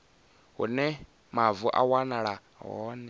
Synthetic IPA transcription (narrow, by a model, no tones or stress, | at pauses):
ɦṵnɛ | mavuʔa̰wanaɺa | ɦɔ̰ːnɛ